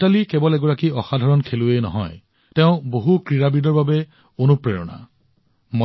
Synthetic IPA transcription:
alikɛbɔlɛɡɔɹakiɔxadʱaɹɔnkʰeluenɔ̰ɦɔ̰j | tɛʊ̃boɦukɹiɹabidɔɹbabɛ | onupɹɛɹɔ̰na̰ | mɔ

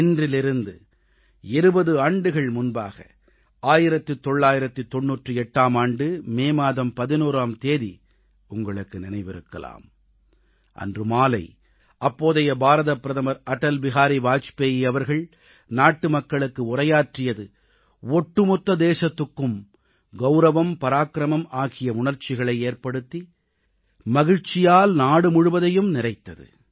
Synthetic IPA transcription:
ɪndrɪlɪɾɯnd̪ɯ | ɛɾɯbɐðɯaːɳɖɯɣɐɭmʊnbaːɣɐ̰ | aːjɪɾɐt̪ːɯt̪ːɔɭːaːjɪɾɐt̪ːɯt̪ːɔnːuːʈrɯɛʈːaːmaːɳɖɯmeːmaːðɐmpɐðɪnuːɾaːmt̪eːði | ʊŋɡɐɭɯkːɯnɪnɐɪʋɪɾɯkːɐ̰la̰ːm | ʔɐ̰ndrɯmaːlɐɪ | ʔɐpːoːðɐjɐbaːɾɐðɐpːɪɾɐðɐmɐɾɐʈːɐlʋɪɣaːɾiʋaːt͡ʃpeːjɪjɐʋɐɾɣɐɭ | naːʈːɯmɐkːɐɭɯkːɯʊrɐjaːʈrɪjɐðɯ | ɔʈːɯmɔt̪ːɐd̪eːʂɐt̪ːɯkːɯm | ɡɐʊɾɐʋɐmpɐɾaːkɾɐmɐmaːɣɪjɐʊɳɐɾt͡ʃɪɣɐɭɐɪeːɾpɐɽɯt̪ːi | mɐɣɪɻt͡ʃɪjaːlnaːɽɯmʊɻʊʋɐðɐjɯmnɪrɐɪt̪ːɐðɯ̰

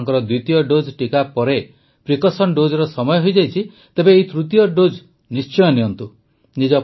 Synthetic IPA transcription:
ŋkɔɾɔd̪ujt̪ijɔɖod͡ʒʈikapɔɾe | pɾikɔsɔnɖod͡ʒɔɾɔsɔmɔjɔɦojd͡ʒajt͡ʃʰi | t̪ebeːit̪ɾut̪ijɔɖod͡ʒ | nist͡ʃɔjɔniɔnt̪u | nid͡ʒɔ

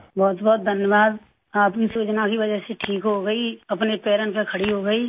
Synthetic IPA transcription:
bɔːt̪bɔːt̪̚d̪ʱɐnjəʋaːd̪ | aːpkisuːt͡ʃnakiʋɐd͡ʒɛɦseʈʰiːkɦoɡəiɐpnepeːɾənpekʰɐɽiɦoɡəiː

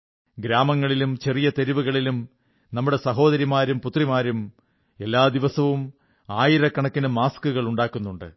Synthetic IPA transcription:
ɡɾaːmɐŋːɐɭilumt͡ɕe̞rijɐt̪e̞ɾiʋuɣɐɭilum | nɐmːuɽe̞sɐɦo̞ːd̪ɐɾimaːɾumput̪rimaːɾum | e̞lːaːd̪iʋɐsɐʋum | aːjiɾɐkːɐɳɐkːinɨmaːskuɣɐɭuɳɖaːkːunːuɳɖɨ̰

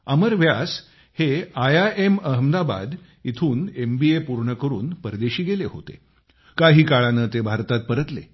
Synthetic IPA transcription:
əməɾʋjas | heajaeməɦəmd̪aba̰d̪ | it̪ʰuːnembiepuɾɳəkəɾṵːnpəɾd̪eɕiːɡeleɦo̰t̪ḛ | kaɦiːkaɭanəːt̪ebʱaɾt̪at̪̚pəɾət̪lḛ

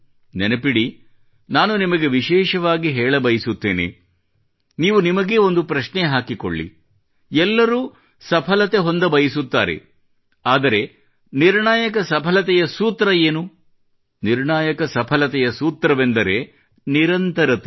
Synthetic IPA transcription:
nɛnɐpiɽi | naːnunimɐɡe̞ʋiʃɛːʃɐʋaːɡiɦɛːɭɐbɐjisut̪ːḛːnḛ | niːʋunimɐɡeo̞nd̪upɾɐʃnɛɦaːkiko̰ɭːḭ | ɛlːɐɾuː | sɐpʰɐlɐt̪e̞ɦond̪ɐbɐjisut̪ːa̰ːɾe̞̰ | aːd̪ɐɾe̞ | niɾɳaːjɐkɐsɐpʰɐlɐt̪ɛjɐsuːt̪ɾɐeːnu | niɾɳaːjɐkɐsɐpʰɐlɐt̪ɛjɐsuːt̪ɾɐʋend̪ɐɾe̞ | niɾɐnt̪ɐɾɐt̪e

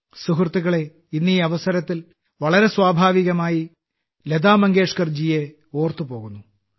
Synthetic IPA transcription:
suɦrt̪ːiɣɐɭe | inːiɐʋɐsɐɾɐt̪ːil | ʋɐɭɐɾe̞swaːbʱaːʋiɣɐmaːji | led̪aːmɐŋɡeːʂkɐrd͡ʑije | o̞ːrt̪ɨpo̞ːɣunːu

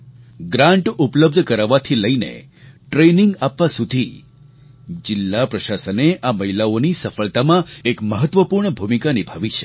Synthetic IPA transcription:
ɡɾãɳʈupləb̚d̪ʱkəɾaʋat̪ʰiləinḛ | ʈɾeniŋɡapʋasud̪ʱi | d͡ʒɪlːapɾəʃasəneʔaməɦilaonisəfəɭt̪amãekməɦət̪ʋəpuɾɳəbʱumikanibʱaʋit͡ʃʰe̥

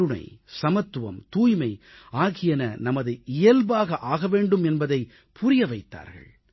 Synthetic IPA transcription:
ɯɳɐ̰ɪsɐmɐt̪ːɯʋɐmt̪uːjmɐɪaːɣɪjɐnɐnɐmɐðɐɪɪjɐlbaːɣɐʔaːɣɐʋeːɳɖɯmɛnbɐðɐɪ | pʰʊɾɪjɐʋɐɪt̪ːa̰ːɾɣɐ̰ɭ

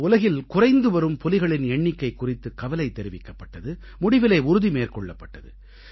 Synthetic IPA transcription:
ʊlɐɣɪlkʊrɐɪnd̪ɯʋɐɾɯmpɔlɪɣɐɭɪnɛɳːɪkːɐɪkːʊrɪt̪ːɯkːɐʋɐlɐɪt̪ːɛɾɪʋɪkːɐpːɐʈːɐðɯ | mʊɽɪʋɪlɐɪʊɾʊðimeːrkɔɭːɐpːɐʈːɐðɯ

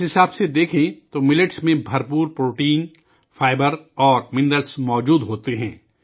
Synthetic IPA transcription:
ɦɪsaːbsed̪eːkʰẽt̪omɪlɪʈsmẽbʱɐɾpuːɾpɾoːʈiːn | faːɪbəɾɔːɾmɪ̃ɳɖəɾsmɔːd͡ʒuːd̪ɦoːt̪eɦɛ̃ː

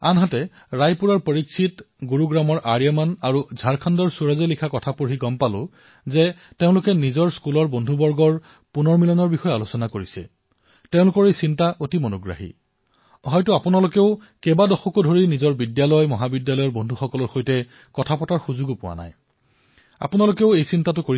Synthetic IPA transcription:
anɦatɛ | ɹajpuɹaɹpəɹiksʰit | ɡuɹuɡɹamɔɹʔaɹijamanaɹuzʱaɹkʰandɔɹsuɹazalikʰakɔtʰapuɹɦiɡɔmpalʊ̰̃ | zɛ | teʊ̃lʊkɛnizɔɹskulɔɹbondʱubɔɹɡɔɹ | punɔɹmilɔnɔɹbixɔjalosɔnakoɹisɛ̰ | teʊ̃lʊkɔɹejsintaʔotimonʊɡɹa̰ɦḭ | ɦɔjtʊapʊnalʊkeʊ | kɛbadɔxɔkodʱoɹinizɔɹbidjalɔjmɔɦabidjalɔjɔɹbondʱuxɔkɔlɔɹxojtɛ | kɔtʰapɔtaɹxuzuɡupʊwa̰na̰j | a̰pʊnalʊkeʊejsintatʊkoɹ

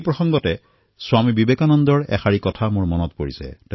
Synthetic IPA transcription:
pɹɔxɔŋɡɔtɛ | swamibibekanɔndɔɹɛ̰xaɹikɔtʰamʊɹmɔnɔtpoɹisɛ̰tɛ

